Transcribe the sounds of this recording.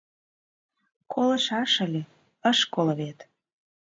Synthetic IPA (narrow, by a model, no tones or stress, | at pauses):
kʰolɤ̆ʃɑʃə̆lʲe | əʃkoləβet̪